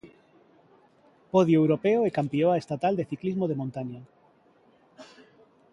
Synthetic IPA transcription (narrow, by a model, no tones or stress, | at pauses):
poðjoewɾopeoekampioaest̪at̪ald̪eθiklizmoðemõnt̪aɲa